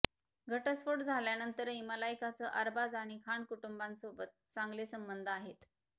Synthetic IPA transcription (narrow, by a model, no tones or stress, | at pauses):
ɡʱəʈəsfoɽd͡zʱaljanənt̪əɾiməlajkat͡səʔəɾbad͡zaɽ̃ikʰaɳkuʈumbãnsobət̪̚t͡saŋɡlesəmbənd̪ʱaɦet̪